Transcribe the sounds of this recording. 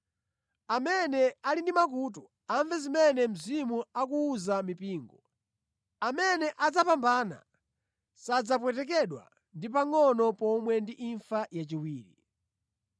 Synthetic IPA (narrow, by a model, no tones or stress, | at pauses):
amɛnɛalindimak̬ut̬u | aɱvɛzimɛnɛm̩zimuakuːzamipiːŋɡɔ | amɛnɛʔad͡zapambaːna̰ | sad͡zap̬wɛtɛk̬ɛɗwa̰ | ndipaŋɔnɔpɔmwɛndiʔiɱfajat͡ʃiwiːɾḭ